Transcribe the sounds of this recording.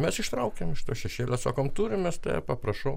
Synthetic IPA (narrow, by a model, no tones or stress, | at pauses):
mʲɛsɪʃt̪ɾɐʊkʲemɪʃt̪oːʃʲɛʃʲeːlʲosokoːmt̪uːɾʲɪmʲest̪ɐ̰ɪɛ̰pɐprɐʃɐʊ